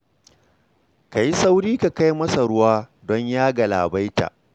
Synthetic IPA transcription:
ka˨ji˦sa˦wɾiː˦ka˨ka˦jmɐ˦sa˨ɽʊ˦waː˦dɔ˦ɲjaː˦ɡa˨la̰ː˨ba˦jta̰ː˨ʔ

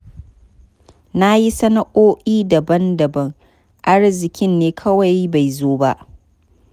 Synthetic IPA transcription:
na˦ji˦sɐ˦nɐ˦ʔoː˦ʔiː˦dɐ˨bɐ˦ndɐ˨bɐ˦ŋ | ʔa˦ɽzɪ˨kʲɪ˦nːeː˦kʰɐ˦wa˨jba˨jzoː˦ba˦ʔ

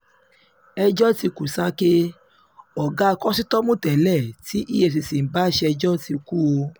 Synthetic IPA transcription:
ɛ˧d͡ʒɔ˦ti˧ku˨sa˦ke˦ | ɔ˨ɡa˦˧kɔ˦si˦tɔ˦mũ˦tɛ˨lɛ˦˨ti˦ʔi˦je˧˨s̬i˨sĩ˨n̩˨ba˦ʃɛ˧ɛ˧d͡ʒɔ˦ti˧ku˦o˧

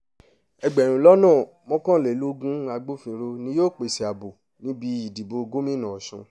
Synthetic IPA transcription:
ɛ˧ɡ͡bɛ˨ɾ̃ũ˨˦lɔ˦nãː˦˨ | mɔ̃˦kɔ̃˦˨le˨lu˦ɡũ˦a˧ɡ͡bo˦fĩ˧ɾo˧nĩ˧˦joː˦˨k͡pe˨si˨a˨bo˨ | nĩ˨˦bi˧i˨di˨bo˧ɡo˦mĩ˦nã˨ʃũ˧

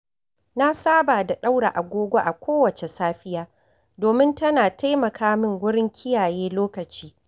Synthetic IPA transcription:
na˦saː˦baː˨da˨ɗa˦wɽa̰˨ʔa˨ɡʷoː˦ɡʷo˦ʔa˨kʷʰoː˦wɐ˨t͡ʃe˨saː˦ɸɪ˦jaː˦ | doː˨mɪ˦ntɐ˦naː˨ta˦jmɐ˨kʰaː˦mɪ˦˨ŋwʊ˦ɽɪ˦ŋkʲʰɪ˦jaː˨jeː˦loː˦kɐ˨t͡ʃiː˦

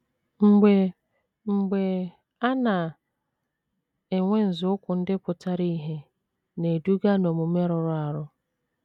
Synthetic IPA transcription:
ŋ͡m̩˨ɡ͡be˨ | ŋ͡m̩˨ɡ͡be˨ | a˦na˨ | e˨ŋʷe˦n̩˨zʊ˦ʊ˦kʷʊ˨n̩˦dɪ˦pʊ˨ta˦ɾi˦ɦe˦ | ne˨du˦ɡa˦no˨mʊ˨me˦ɾʊ˨ɾʊ˦a˨ɾʊ˦

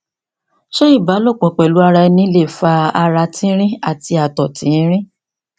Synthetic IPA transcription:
ʃo˦i˦˨ba˨˦lo˦˨k͡pɔ̃˨k͡pɛ˨lu˨˦a˧ɾa˧ɛ˧nĩ˧˦le˦˨fa˧a˧ɾa˧tĩ˦ɾ̃ĩ˦a˦˨ti˧a˨tɔ˨tĩ˨˦ɾ̃ĩ˦

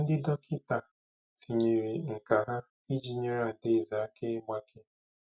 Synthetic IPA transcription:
n̩˦dɪ˦dɔ˦kɪ˦ta˨ | ti˨ɲe˨ɾi˨ŋ̩˨ka˨ɦa˦ | i˦d͡ʒi˨ɲe˦ɾa˨de˦˨za˨a˦ke˦ɡ͡ba˦kɪ˦

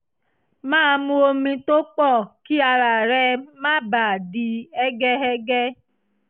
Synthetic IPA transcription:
mãː˦˧mũ˧o˧mĩ˧to˦k͡pɔ˦˨ki˦a˧ɾa˨ɾɛ˧mã˦ba˨a˨di˨˧ɛ˦ɡɛ˦ɛ˦ɡɛ˦

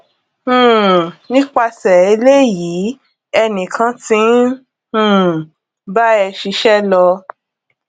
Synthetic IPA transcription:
ũ˨nĩ˦k͡pa˧sɛ˨e˨˧le˦˨jiː˨˦ | ɛ˧nĩ˨kʰã˦tĩ˨˦ | ũ˦˨ | ba˦ɛ˧ʃi˧˦ʃɛ˦lɔ˧

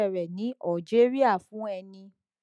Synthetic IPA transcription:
ɛ˦˨ɾɛ˨nĩ˨˦a˦˨d͡ʒe˦ɾi˦a˦˨fũ˨˦ɛ˧nĩ˧

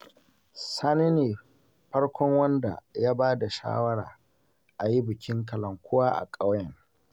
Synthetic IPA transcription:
saː˦ne˦neː˨ | ɸɐ˦ɽkʷʰɔ˦ŋwɐ˦nda̰˨jaː˦baː˦da˨ʃa̰ː˦wɐ˦ɽaː˨ | ʔa˨ji˦bɪ˨kʲʰɪ˦ŋkɐ˨lɐ˨ŋkʷʊ˦waː˦ʔa̰˨kʼa˦wjɐ˨ŋ

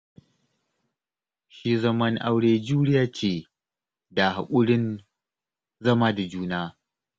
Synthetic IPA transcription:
ʃiː˦zɐ˦mɐ˦ŋʔa̰˦wɽeː˦d͡ʒuː˦ɽɪ˦jaː˦t͡ʃeː˦˨ | da˨ha̰˨kʷʼʊ˦ɽɪ˦n | zɐ˦maː˦da˨d͡ʒuː˦naː˦

